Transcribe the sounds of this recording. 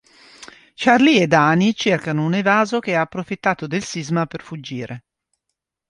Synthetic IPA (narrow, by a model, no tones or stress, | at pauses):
t͡ʃarlied̪aːnit͡ʃerkanounevaːzok̟eaːpːɾofit̪ːaːt̪od̪elsizmaperfud͡ʒːiːɾʔe